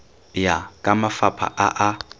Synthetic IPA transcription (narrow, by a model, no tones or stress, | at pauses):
jakʼamafapʰa̰ʔaʔa